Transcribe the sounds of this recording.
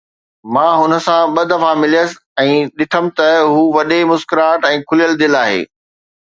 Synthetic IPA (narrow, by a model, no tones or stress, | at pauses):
mãːɦʊnə̆sãɓɐd̪ʱɐfamɪlijəsɪ | ɛ̃ːɗɪt̪ʰəmɪ̆t̪ɐɦuːʋɐɗemʊskɪɾaːʈɛ̃ːkʰʊlijəld̪ɪlaːɦḛː